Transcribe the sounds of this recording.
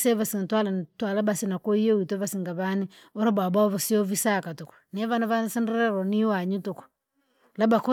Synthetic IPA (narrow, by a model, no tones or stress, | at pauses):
seβasintwalantwalabasinakoiewitoβasiŋɡaβanioɾababaoβasiovisakatukɔ̥niaβanaβanasindɛɾɛɾɔniwaɲutukɔ̥ | labaku